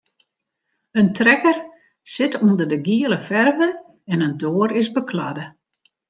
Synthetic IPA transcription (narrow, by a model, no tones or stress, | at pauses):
əntrɛkər | sɪtundərdəɡiələfɛrvə | ɛnəndoːərɪzbəkʰla̰də